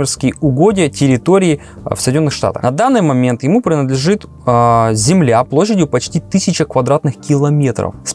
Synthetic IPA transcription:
ɪrskʲɪjʊɡo̞dʲɪjətʲɪɾʲɪt̪oɾʲɪː | fsəjdʲɪnʲonːɨxʂt̪a̰t̪ə̰xnɐd̪anːɨjmɐmʲe̞nt̪jɪmupɾʲɪnəd̪lʲɪʐɨt̪ | zʲɪmlʲaplˠoɕ̬ːɪdʲjʊpɐt͡ɕtʲit̪ɨsʲɪt͡ɕəkvɐd̪ɾat̪nɨxkʲɪlˠɐmʲe̞t̪ɾə̰fsʲ

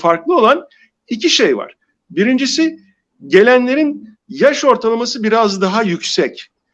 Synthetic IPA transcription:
faɾklˠɯo̞lˠan | icʰiʃejva̰ɾ̥ | biɾind͡ʒisi | ɟe̞lʲænlʲe̞ɾin | jaʃo̞ɾt̪ʰalˠamasɯbiɾazd̪aɦajycsɛc

